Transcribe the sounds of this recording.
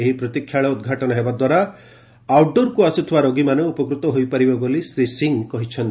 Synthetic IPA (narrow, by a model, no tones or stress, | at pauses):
eɦipɾɔt̪ikʰːjaɭɔud̪̚ɡʱaʈɔnɔɦebad̪waɾa | awɖoɾkuasut̪ʰiwaɾoɡimaneupɔkɾut̪ɔɦojpaɾibɔbolisɾisiŋkɔɦit͡ʃʰɔnt̪i